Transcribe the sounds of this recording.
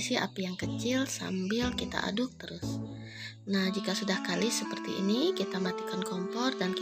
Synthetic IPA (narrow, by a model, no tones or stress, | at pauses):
sia̰pijaŋkət͡ʃɪlsa̰mbɪlkit̪a̰ʔa̰dʊk̚t̪əɾʊs | nahd͡ʒikasudahkalisəpərt̪ḭʔḭnikit̪amat̪ikankɔmfɔrdank